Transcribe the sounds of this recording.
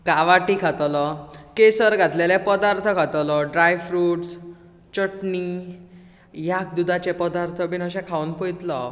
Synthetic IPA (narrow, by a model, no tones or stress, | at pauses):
kaʋaʈikʰat̪lɔkesəɾɡat̪lelɛ̃pəd̪aɾt̪ʰəkʰat̪lɔɖɾajfɾuːʈs | t͡ɕəʈni | jak̚d̪ud̪at͡ɕepəd̪aɾt̪ʰəbinɦəɕɛ̃kʰaunpɔjt̪lɔ